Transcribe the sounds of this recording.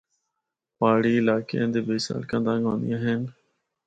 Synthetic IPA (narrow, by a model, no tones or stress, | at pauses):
paːɽiːɪlaːkeẽnd̪eːbeːsa̰ːlkə̃ːd̪ãːŋɡõːnd̪ijãːɦen